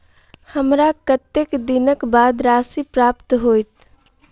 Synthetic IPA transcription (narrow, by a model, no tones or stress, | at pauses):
həmɾakət̪ːekd̪ɪnəkbaːd̪ɾaːsipɾaːpt̪ɦoːjt̪